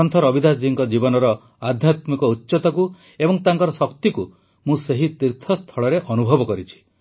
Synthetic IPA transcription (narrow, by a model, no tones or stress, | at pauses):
ɔnt̪ʰɔɾɔbid̪ʱad͡ʒiŋkɔd͡ʒibɔnɔɾɔ | ad̪ʱjat̪mikɔutːʃɔt̪ɔku | ebɔŋt̪aŋkɔɾɔsɔk̚t̪iku | mũseɦit̪iɾt̪ʰɔst̪ʰɔɭɔɾeʔɔnubʱɔbɔkɔɾit͡ʃʰi̥